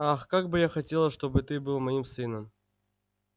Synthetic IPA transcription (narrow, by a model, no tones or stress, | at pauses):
axkaɡ̚bɨjaxɐtʲe̞lˠəʂt̪o̞bɨt̪ɨbɨlˠmɐimsɨnəm